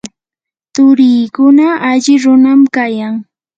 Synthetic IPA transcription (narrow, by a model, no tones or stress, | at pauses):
t̪ʊɾiːkʊnaʔaʎɪɾʊnamkajaŋ